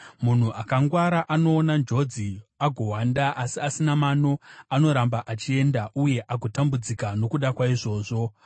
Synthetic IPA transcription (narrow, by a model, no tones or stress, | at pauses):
mun̤uʔakaŋɡwaɾaʔano̞ːnand͡ʒo̞d͡ziaɡʱo̞ɦwandaʔasiasinamano̞ano̞ɾambaʔat͡ʃie̞ndaʔuje̞ʔaɡʱo̞tambud͡zikano̞kuɗakwaiʐo̞ːʐo̞